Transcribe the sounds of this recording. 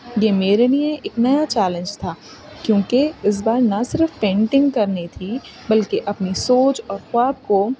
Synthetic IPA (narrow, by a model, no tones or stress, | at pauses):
jemeːɾelijẽʔeːknɐjat͡ʃɛːlə̃nd͡ʒt̪ʰaː | kjõːkeɪs̬baːɾnɐsɪɾfpẽːɳʈɪ̃ŋɡkɐɾnet̪ʰibɐlkeʔɐpnisoːt͡ʃɔːɾxʊaːb̚ko